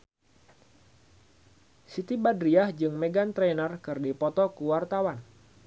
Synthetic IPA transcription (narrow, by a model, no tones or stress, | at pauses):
sit̪ibadɾiahd͡ʒɨŋmeɡant̪ɾenərkɨrdipɔt̪ɔkuwart̪awan